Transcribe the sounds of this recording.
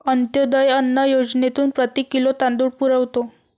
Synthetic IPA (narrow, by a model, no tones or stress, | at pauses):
ənt̪jod̪əjənːəjod͡ʑnet̪uːnpɾət̪iːkilot̪ãnd̪uːɽpuɾəʋt̪o